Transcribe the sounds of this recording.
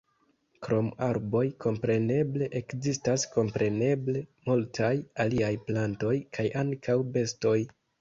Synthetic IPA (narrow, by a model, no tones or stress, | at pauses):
kɾo̞maɾbo̞jkʰo̞mpɾe̞ne̞ble̞ʔekzistasko̞mpɾe̞ne̞ble̞multʰajaliajplanto̞jkʰajaŋkʰawbe̞sto̞j